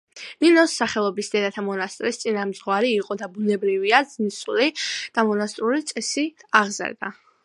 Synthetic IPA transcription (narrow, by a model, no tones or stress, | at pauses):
linɔsːaχɛlˠɔbisd̪ɛd̪at̪ʰamɔnast̪ʼɾist̪sʼinamd̪zʁɔwaɾiːqʼɔd̪abunɛbɾiviad̪z̥nisulid̪̥amɔnast̪ʼɾulit̪sʼɛsiaʁzɛ̰ɾd̪a̰